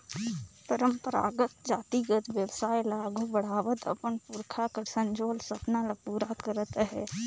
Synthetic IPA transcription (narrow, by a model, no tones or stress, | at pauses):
pəɾəmpəɾa̰ːɡət̪d͡ʒaːt̪iɡət̪ʋjəwsaːjlaːɡobəɽ̤aːʋət̪ə̰pənpuɾkʰakəɾsə̃ɲd͡ʒoːlsəpnaləpuːɾakəɾət̪ɦɛː